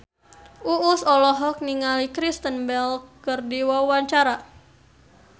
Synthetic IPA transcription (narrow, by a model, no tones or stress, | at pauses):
ʔuʔːsɔlɔɦɔk̚niŋalikɾist̪ənbɛlkərdiwawaɲt͡ʃaɾa